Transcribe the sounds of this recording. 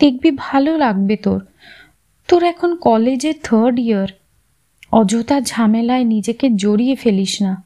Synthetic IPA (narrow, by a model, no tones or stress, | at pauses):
d̪̥ek̚bibʱalolaɡ̚bet̪oɾ | t̪oɾɛkʰonkɔled͡ʑeɾt̪ʰəɾɖiaɾ | ɔd͡ʑot̪ad͡ʑʱamelaenid͡ʑeked͡ʑoɾijefeliʃna